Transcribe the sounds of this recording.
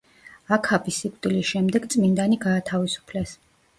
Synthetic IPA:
akʰabisikʷʼt̪ʼilisʃɛmd̪ɛɡt̪sʼmind̪aniɡaːt̪ʰavisu̥pʰlɛs

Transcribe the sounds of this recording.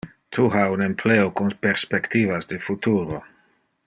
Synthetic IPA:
tʰuɦaunempʰleokunpeɾspektivasdefutuɾo

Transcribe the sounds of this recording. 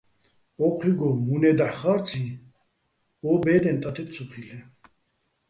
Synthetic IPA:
ɔqʰwiɡɔmunɛd̪aħχaɾt̪t͡sʰi | ɔbɛd̪ɛnt̪ʼat̪ʰɛp̪̚sʰuχilɛ

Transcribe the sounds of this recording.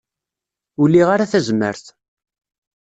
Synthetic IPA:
ulːiʁaɾaθæzmə̰ɾθ

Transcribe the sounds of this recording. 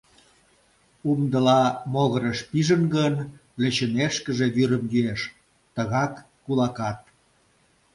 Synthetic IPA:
umd̪əlɑmoɣəɾəʃpiʒənɡənlĕt͡ɕəneʃkəʒeβyɾəmjyeʃ | t̪əɣɑkː | ulɑkɑt̪̚

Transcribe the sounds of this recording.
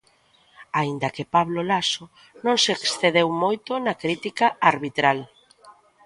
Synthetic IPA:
aind̪ɐkepaβlolaso | nõŋseksθeðewmojt̪ʊnɐkɾit̪ikaaɾβit̪ɾal

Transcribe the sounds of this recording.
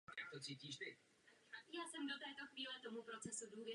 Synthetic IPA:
a̰k̚t̪ot͡siːciːʃt̪ɪ | jaːsɛmdot̪ɛːt̪oxviːlɛt̪omupɾot͡sɛsuduːvjɛ

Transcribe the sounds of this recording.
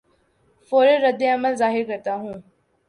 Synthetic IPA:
foːɾeɾəd̪ːeɐməlzaːɦɪɾkəɾt̪aɦũː

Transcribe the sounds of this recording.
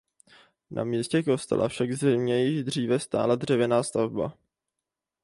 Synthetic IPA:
nʔa̰miːscɛkost̪ɛ̰la̰fʃaɡzɪmɲɛjɪʒd̪r̝iːvɛst̪a̰ːlad̪r̝ɛvjɛnaːst̪avba̰

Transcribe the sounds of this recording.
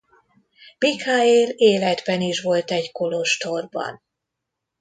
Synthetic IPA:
mikʰaːeːleːlɛd̪bɛniʃʋo̞lt̪ɛɟko̞loʃt̪o̞rbɒ̰n

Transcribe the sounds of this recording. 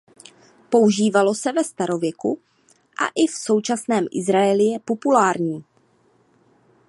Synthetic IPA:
po̞uʒiːvalo̞sɛvɛst̪aɾo̞vjɛku | ʔa̰ʔɪfso̞wt͡ʃasnɛːmʔɪ̰zɾaɛlɪjɛpo̞pulaːɾɲiː

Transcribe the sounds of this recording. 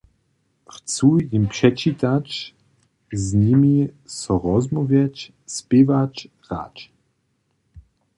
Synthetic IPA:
xt͡sujimpʂɛt͡ʃit̪at͡ʃ | zɲimisɔʁɔzmɔvjɛt͡ʃ | spevat͡ʃ | ʁa̰t͡ʃ

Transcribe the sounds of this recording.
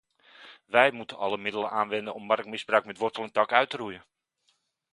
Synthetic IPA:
ʋɛjmutənɑləmɪdələnʔaːnʋɛndənɔmːɑrək̚mɪzbrœɥkmɛtʋɔrtəlˠɛntɑkœɥtərujən

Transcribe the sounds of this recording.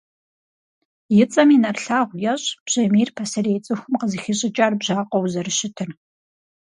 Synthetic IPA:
jɪt͡sʼɐmiːnɐrɬaːʁʷjɐɕʼb̥ʑ̥ɐmiːrpʰɐsɐrejt͡sʼɨxʷʊmqəzixɪɕʼɪt͡ʃʼaːrbʑaːqʷɔwzɐrɨɕɪtʰɨr

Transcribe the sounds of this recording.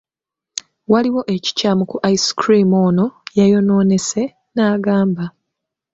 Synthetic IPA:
waliwo̞ʔe̞ci̥caːmukuʔaiskɾimo̞ːno̞jajo̞no̞ːne̞se̞ | naːɡaːmba

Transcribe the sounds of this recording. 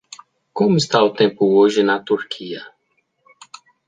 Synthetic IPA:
kõmʊɪst̪aʊt̪ẽpʊoʒɪnɐt̪uɾkʰiɐ

